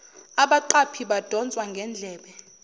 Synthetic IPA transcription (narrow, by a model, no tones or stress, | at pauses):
aɓaǃapʰiɓad̥ʱɔnt͡sʼwaŋɡʱɛnd͡ɮʱɛːɓɛ